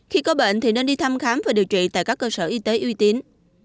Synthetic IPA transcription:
xi˧kɔ˨˦ɓḛ˧˨nt̪ʰi˨˩ne˧nɗi˧t̪ʰa˧mxaː˨˦mvaː˨˩ɗi˨˩əwt͡ɕwḭ˧˨t̪a̰ː˧˨jkaː˦˥kːəː˧səː˧˩ʔi˧t̪e˨˦ʔi˧t̪i˨˦ən

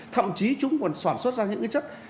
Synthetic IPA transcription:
t̪ʰə̰˧˨mt͡ɕi˨˦t͡ɕʊ˨˦ŋ͡mkɔ˨˩nsaː˧˩nswə˦˥t̚zaː˧ɲɨ̰˧˥ŋka˨˦t͡ɕə˦˥t̚

